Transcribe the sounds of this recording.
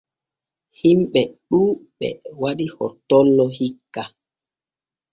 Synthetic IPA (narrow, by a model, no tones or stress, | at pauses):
himɓɛɗuːɓɛ̰waɗihɔ̰tːɔlːɔhikːa